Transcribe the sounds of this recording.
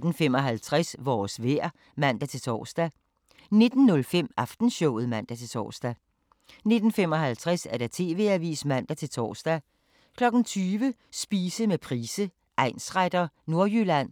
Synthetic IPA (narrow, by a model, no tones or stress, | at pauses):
d̥n̩fem̰ɒ̽ɦælt͡sʰʁasʋɒːsʋeɐ̰ | mæn̰d̥æt͡sʰe̝lt͡sʰɒ̰ːsd̥æ | ne̝d̥n̩nɔ̽lfem̰ɑ̈fd̥n̩ɕɔʊð̞̩ˠmæn̰d̥æt͡sʰe̝t͡sʰɒ̰ːsd̥æ | ne̝d̥n̩fem̰ɒ̽ɦælt͡sʰʁasæɐd̥æt͡sʰe̝ːʋe̝æʋḭːsmæn̰d̥æt͡sʰe̝lt͡sʰɒ̰ːsd̥æ | kʰlɒ̽ɡ̥n̩t͡sʰyːʋə | sb̥iːsəmepʰʁiːsə | ʔɑ̈ɪ̰nsʁad̥ɐno̝ɐjylæn̰